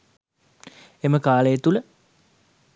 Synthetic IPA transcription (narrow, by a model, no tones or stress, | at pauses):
eməkaːləjet̪ulə